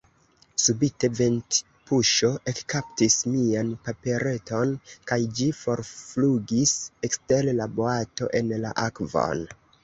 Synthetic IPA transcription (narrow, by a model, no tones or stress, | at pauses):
subite̞vent | puʃo̞ʔe̞kkaptismianpape̞ɾe̞to̞nkajd͡ʒifo̞ɾfluɡisekstellaboato̞̰ʔe̞nla̰ʔakvo̰n